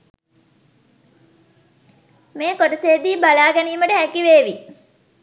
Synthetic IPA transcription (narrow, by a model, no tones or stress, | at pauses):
meːkoʈəseːd̪iːbalaːɡɛniːməʈəɦækiʋeːʋi